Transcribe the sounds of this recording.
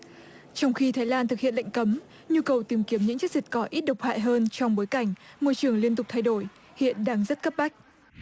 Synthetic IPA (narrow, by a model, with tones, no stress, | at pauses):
t͡ɕɔ˧wŋ͡mxi˧t̪ʰaː˨˦jlaː˧nt̪ɨ˨k̚hḭ˧˨ənla̰˧˨ŋ̟kə˨˦m | ɲu˧kə˨˩wt̪i˨˦mki˨˦mɲɨ̰˧˥ŋt͡ɕ̚zi˨˩t̚kɔ˨˦ʔi˦˥t̚ɗə˨˩wk͡p̚ha̰ː˧˨jɦəː˧nt͡ɕɔ˧wŋ͡mɓo˨˦jka˧˩jŋ̟mo˧jt͡ɕɨ˨˩əŋli˧ənt̪ʊ˨˩k͡p̚t̪ʰa˧jɗo˧˩j | hḭ˧˨ənɗaː˧ŋzə˦˥t̚kə˦˥p̚ɓa˦˥jk̟̚